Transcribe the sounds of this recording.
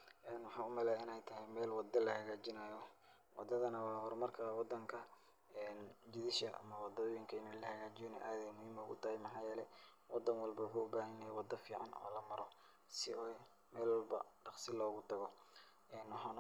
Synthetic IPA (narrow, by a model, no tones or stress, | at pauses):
ʔɛːnwɑħɑːʊmɛlɛːɪnɛjt̪ʰɐɦɛjmɛːlwɑd̪ɐlɐhɐɣaːt͡ʃɪnaːjɔ | wɑd̪ɐðɐnɐwɑːhɔrmɐrkʰɐwɑd̪ːɐŋkʰɐ | ɛːnd͡ʒɪðɪʃɐ̰ʔɐ̰mɐwɑd̪ɔɔːjɪŋkʰɐɪnɛlɐhɐɣaːt͡ʃɪjnɔ̰ʔaːðɛjmʊhiːmɔʊɣʊ̰t̪ʰɐhɛjmɑħɑːjɛːlɛ | wɑd̪ɐnwɑlbɐwʊħuːʊbaːɦɪjɛjawɑd̪ɐfiːʕɑ̰nɔ̰ːlɐmɐɾɔ | sɪɔː | mɛːlwɑlbɐ̰ɖɑqsɪlɔːɣʊt̪ʰɐɣɔ | ɛːnwɑħɑːn